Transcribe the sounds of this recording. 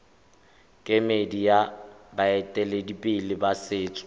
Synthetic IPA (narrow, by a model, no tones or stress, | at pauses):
kʼemedijabaɛtʼɛledipʼɪlɪbasɪːt͡sʼʊ̥